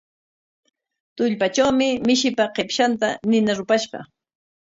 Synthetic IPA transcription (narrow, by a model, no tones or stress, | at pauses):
t̪ʊʎpat͡ʃawmɪmɪʃɪpaqepʃant̪anɪnaɾʊpaʃɢɑ̰